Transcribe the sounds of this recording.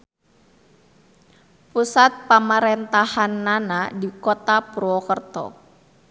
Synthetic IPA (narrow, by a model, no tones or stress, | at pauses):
pusat̪̚pamaɾɛnt̪ahanːanadikɔt̪apɾɔkərt̪ɔ̰